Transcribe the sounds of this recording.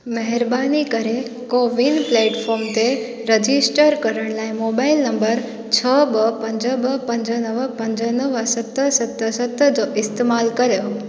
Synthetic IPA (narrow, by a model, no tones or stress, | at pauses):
mɐɦɪɾbaːnikəɾe | koːʋinplɛːʈfʰɔːɾmt̪e | ɾɐd͡ʑɪsʈəɾkɐɾəɽ̃laːɪmoːbaːɪlnɐ̃mbəɾ | t͡ɕʰəbəpɐ̃ɲd͡ʑəbəpɐ̃ɲd͡ʑənəʋpɐ̃ɲd͡ʑənəʋəsɐt̪əsɐt̪ːəsɐt̪əd͡ʑoːʔɪst̪eːmaːlkɐɾjo